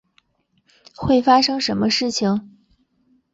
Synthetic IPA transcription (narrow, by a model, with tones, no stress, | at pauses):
xwe˥˩ɪfa˥ʂɤ˥ŋʂə˧˥nmə˧ʂɻ̩˥˩t͡ɕʰi˩ŋ